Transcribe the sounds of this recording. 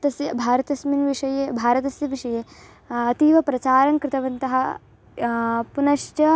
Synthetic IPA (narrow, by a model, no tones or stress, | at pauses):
t̪ɐsjɐbʱaːɾɐt̪ɐsminʋiʂɐjebʱaːɾɐt̪ɐsjɐʋiʂɐjeː | ɐt̪iːʋɐpɾɐt͡ʃaːɾɐŋkɾɪt̪ɐʋɐnt̪ɐɦɐ | punɐʃt͡ʃɐ